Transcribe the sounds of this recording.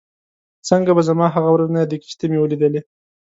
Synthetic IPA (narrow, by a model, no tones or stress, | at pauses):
t͡səŋɡabazamɑɦaɣawɾaznad̪əki̥ʃt̪emewəlid̪əle